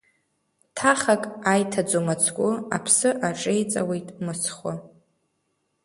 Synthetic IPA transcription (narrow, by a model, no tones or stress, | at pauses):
tʰaχakʼajtʰad͡zomat͡sʰkʷʼʊa̰pʰsɨʔaʈ͡ʂʼejt͡sʼa̰we̞jtʼmɨsʰχʷʊ